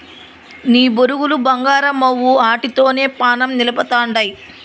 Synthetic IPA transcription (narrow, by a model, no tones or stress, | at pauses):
niːboɾuɡulubɐŋɡaːɾɐmɐwːuaːʈit̪o̞ːne̞ːpaːnɐmnilɐpɐt̪aːɳɖɐj